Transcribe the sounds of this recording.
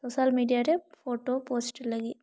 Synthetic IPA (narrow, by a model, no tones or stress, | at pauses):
soːʃaːlmiːɖijaːɾepʰoːʈoːpoːsʈilːɐɡi